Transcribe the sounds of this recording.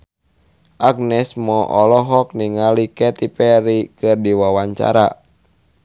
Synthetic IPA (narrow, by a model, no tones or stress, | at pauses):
ʔaɡ̚nɛsmɔʔɔlɔɦɔk̚niŋalikɛt̪ipɛɾikɨrdiwawaɲt͡ʃa̰ɾa